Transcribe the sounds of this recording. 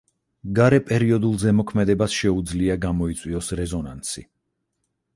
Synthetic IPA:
ɡaɾɛpʼɛɾiɔd̪ulˠzɛmɔkʰmɛd̪ɛbasʃɛud̪zliaɡamɔit̪sʼwiɔsɾɛzɔnansḭ

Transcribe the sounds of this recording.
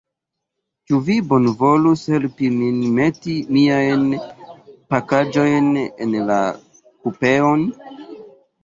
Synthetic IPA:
t͡ʃuvibo̞nvo̞lushe̞lpiminme̞timiajn | pakad͡ʒo̞jnenla̰ | kupe̞on

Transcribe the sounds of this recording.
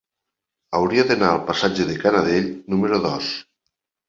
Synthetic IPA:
awɾiaðenaːlˠpasad͡ʒeðekanaðeʎnumeɾoðɔs

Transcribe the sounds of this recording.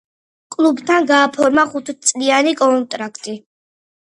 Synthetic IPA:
kʼlˠubt̪ʰanɡaːpʰɔɾmaχut̪ʰt̪sʼlianikʼɔnt̪ʼɾakʰt̪ʼi

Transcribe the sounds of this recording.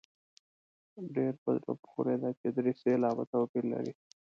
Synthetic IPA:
ɖeɾbəd̪ɾo̰pxuɾed̪at͡ʃed̪ɾiselɑːba̰t̪awpiɾla̰ɾḭ

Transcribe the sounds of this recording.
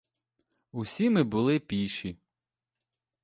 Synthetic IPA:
usʲimɪbʊlˠɪpʲiʃi

